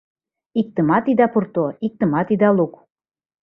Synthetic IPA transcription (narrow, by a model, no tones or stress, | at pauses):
ik̚t̪əmɑt̪id̪ɑpurt̪oik̚t̪əmɑt̪id̪ɑluk